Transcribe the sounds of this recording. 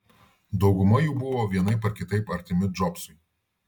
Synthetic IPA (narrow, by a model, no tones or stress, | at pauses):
d̪ɒʊɡʊmɐjuːbʊʋoːʋʲiɛnɐɪpɐɾkʲɪt̪ɐɪpɐɾʲt̪ʲɪmʲɪd͡ʒɔpsʊɪ